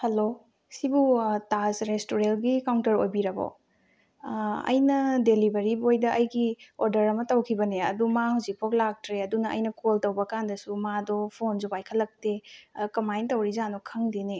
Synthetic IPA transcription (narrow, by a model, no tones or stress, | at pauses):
hɐlo | sibutasɾestoɾelɡikawntɐɾojbiɾɐbo̰ | ɐ̰jnɐdelibɐɾibojdɐʔɐjɡioɾdɐɾɐmɐtɐwkʰibɐneɐ̰dumahuzik̚pʰoklak̚tɾeɐdunɐʔɐ̰jnɐkoltɐwbɐkandɐsumadɔpʰonzupajkʰɐlːɐk̚tekɐmajntɐwɾizanɔkʰɐŋdene